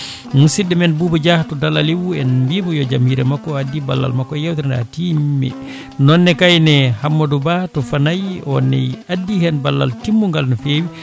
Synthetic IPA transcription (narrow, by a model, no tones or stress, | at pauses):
musidɛmɛnbubud͡ʒahtɔdalaliwuɛnmbimɔjɔd͡ʒamhiɾɛmakːɔadːiba̰lːa̰lmakːɔjawtɛɾnda̰timmːɛ̰ | nɔnːɛkajnɛhamːɔdubatɔfanajɔnɛ̰jadːihɛnbalːa̰ltimːuŋɡalnɔfeːwi